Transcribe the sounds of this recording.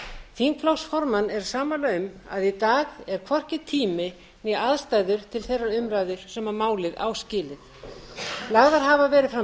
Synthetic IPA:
θimkʰlowsfɔɾmanːɛɾsaːmalaʏma̰ðit̪aːɣɛɾ̥kʰvɔr̥cɪt̪ʰiːmɪ | njɛaðst̪aːjðʏɾ̥t̪ʰɪlθejraɾʏmɾaːjðʏɾ̥sɛmaɾmaːwlɪða̰ːwscɪːlɪð | laɣðaɾ̥ɦavavɛːɾɪðfɾa

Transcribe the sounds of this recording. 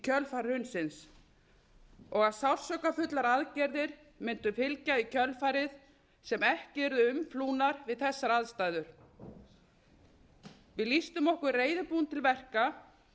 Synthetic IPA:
cʰœlfaɾɾhʏnsɪns | ɔɣaðsawɾ̥sœkafʏt̪laɾaðcɛɾðɪɾ̥ | mɪnt̪ʏfɪlcaicʰœlfaɾɪð | sɛmɛhcɪɛɾðʏʏmfluːnaɾvɪðθɛsːaɾaðst̪aːjðʏɾ̥ | vɪðlist̪ʏmɔhkʏɾreːjðʏpuːnt̪ʰɪlvɛr̥ka

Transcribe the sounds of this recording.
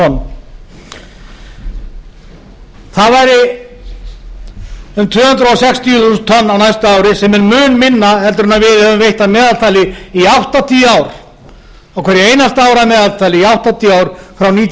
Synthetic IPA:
ɔnː | θaðvajɾɪ | ʏmt̪ʰvʏːhʏnt̪ɾɔsɛkst̪ʰijðust̪ʰɔnːawnajst̪aaːwɾɪsɛmɛnmʏːnmɪnːaɦɛlt̪ʏɾnavɪðhɛvʏmvejht̪amɛːðalt̪ʰajlɪiawht̪at̪ʰiːaːwɾ | awkʰvɛɾjeːjnast̪aːwɾamɛːðalt̪ʰajlɪiawht̪at̪ʰiːaːwɾfɾawniːt̪

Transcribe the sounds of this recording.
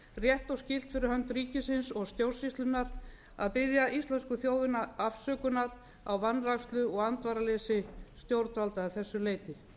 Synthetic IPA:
rjɛht̪awscɪl̥t̪fɪɾɪɾhœnt̪ɾiːcɪsɪnsɔɣst̪jowr̥sist̪lʏnːaɾ | a̰ðpɪðjaʔist̪lɛnskʏθjoːwðʏnaafsœːkʏnaɾ | awvanːrakst̪lʏɔɣant̪vaːɾaleːsɪst̪jowɾt̪valt̪aːθɛsːʏleːjt̪ɪ

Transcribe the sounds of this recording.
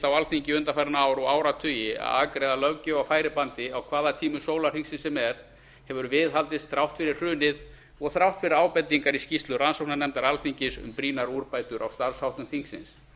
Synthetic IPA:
t̪awalθiɲcɪʏnt̪afajɾnaaːwɾɔɣaːwɾat̪ʰʏːjɪa̰ða̰ːkɾɛːðalœwcʏafaːjɾɪpant̪ɪawkʰvaːðat̪ʰiːmʏsoːwlar̥iŋksɪnsɛmɛɾ | hɛvʏɾvɪðɦalt̪ɪst̪θɾawht̪fɪɾɪr̥r̥ʏːnɪð | ɔɣθɾawht̪fɪɾɪɾaːwpɛt̪ːiŋkaɾiscist̪lʏransowknanɛmt̪aɾalθiɲcɪsʏ̰mpɾiːnaɾuɾpaːjt̪ʏɾʔa̰wst̪aɾshawht̪ʏmθiŋksɪ̰ns

